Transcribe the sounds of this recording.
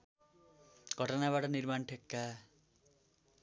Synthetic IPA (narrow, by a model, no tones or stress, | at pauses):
ɡʱʌʈʌnaβaʈʌnirmanʈʰekːa